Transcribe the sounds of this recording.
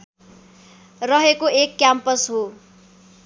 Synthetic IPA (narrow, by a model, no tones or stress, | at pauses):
rʌɦekoekːjampʌsɦo